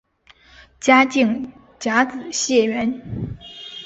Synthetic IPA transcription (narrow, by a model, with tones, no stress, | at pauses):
t͡ɕja˥t͡ɕi˥˩ŋ | t͡ɕja˧˥t͡sɹ̩˨˩˦ɕjɛ˥˩ɥɛ˧˥n